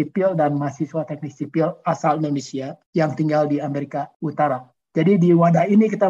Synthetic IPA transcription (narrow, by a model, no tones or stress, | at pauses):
ipildanmasiswat̪ɛk̚nik̚sipilasalindonesiajaŋt̪iŋɡaldiameɾikaut̪aɾa | d͡ʒadidiwadahinikit̪a